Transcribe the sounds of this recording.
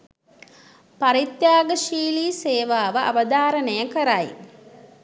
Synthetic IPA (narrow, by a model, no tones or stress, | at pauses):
paɾit̪jaːɡəʃiːliːseːʋaːʋəʔa̰ʋəd̪ʱaːɾənəjəkəɾaj